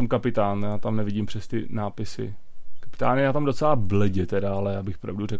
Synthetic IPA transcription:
amkapɪt̪aːnjaːt̪amnɛvɪɟiːmpr̥ɛst̪ɪ̰naːpɪsɪ̰ | kḁpɪ̥t̪aːnɪjaːt̪amdot͡sɛlablɛɟɛt̪ɛdaalɛjaːbɪxo̥pɾa̰vdurɛk

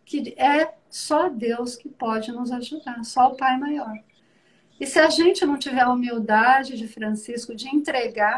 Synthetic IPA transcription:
kɪɛ | sɔd̪ewskɪpɔd͡ʒɪnʊzaʒud̪aɾsɔʊpajmajɔɾ | ɪsɪɐʒẽnt͡ʃɪnɐ̃w̃t͡ʃivɛɾumiwd̪ad͡ʒɪd͡ʒɪfɾɐ̃siskʊd͡ʒɪẽnt̪ɾeɡa

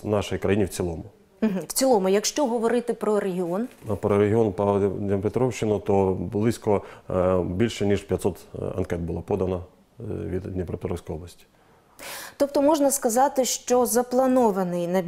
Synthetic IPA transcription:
nɑʃɔjikɾɐjinʲiwt͡sʲilˠɔmʊ | m̩ɦ̩w̥t͡sʲilˠɔmʊjɐkʃt͡ʃɔɦɔʋɔɾɪt̪ɪpɾɔɾeɦʲɪɔnpɾɔɾeɦʲɪɔnpɐd̪ʲɐmpet̪ɾɔwʃt͡ʃːɪnʊt̪ɔblˠɪsʲkɔ | bʲilʲʃɛnʲiʃpʲjɐt̪sɔt̪ɐ̰nkɛt̪̚bʊlˠapɔd̪ɐnɐ | ʋʲḭd̪nepɾepet̪ɾɔwsʲkɔjɔblˠɐsʲtʲi̥ | t̪ɔpt̪ɔmɔʒnɐskɐzɑt̪ɪʃt͡ʃɔzɐplˠɐnɔʋɐnɪjnɐ

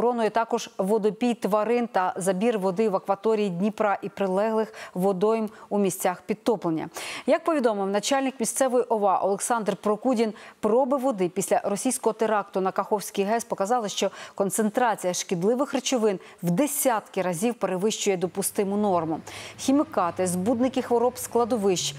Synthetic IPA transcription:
ɾɔnʊjɛt̪ɑkɔʒʋɔd̪ɔpʲijt̪ʋɐɾɪnt̪ɐzɐbʲirʋɔd̪ɪʋɐkʋɐt̪ɔɾʲijid̪ʲnʲipɾɑʔipɾɪlˠɛɦlˠɪxʋɔd̪ɔjmumʲisʲt͡sʲaxpʲid̪̚t̪ɔplˠenʲːɐ̰jɐk̚pɔʋʲid̪ɔmɪwnɐt͡ʃalʲnɪkmʲist̪sɛʋɔjiʔɔʋɑʔɔ̰lˠeksɑnd̪rpɾɔkudʲinpɾɔbɪʋɔd̪ɪpʲisʲlʲɐɾɔsʲijsʲkɔɦɔt̪eɾɑk̚t̪ʊnɐkɐxɔwsʲkɪjɦɛspɔkɐzɑlˠɐʃt͡ʃɔkɔnt̪sent̪ɾɑt͡sʲijɐʃkʲid̪lˠɪʋɪxret͡ʃʊʋɪn | wd̪esʲat̪kɪɾɐzʲiwpeɾeʋɪʃt͡ʃʊjɛd̪ɔpʊst̪ɪmʊnɔrmʊxʲimɪkɑt̪ɪzbud̪nɪkɪxʋɔɾɔpsklˠɐd̪ɔʋɪʃt͡ʃ

